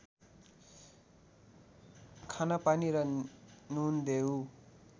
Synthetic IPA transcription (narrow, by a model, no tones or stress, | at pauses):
kʰanapaniɾʌnund̪eu